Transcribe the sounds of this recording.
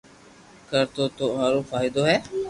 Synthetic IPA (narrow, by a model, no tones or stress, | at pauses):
kəɾt̪oːt̪oːɦaːɾoːfʰaːɪd̪oːɦɛː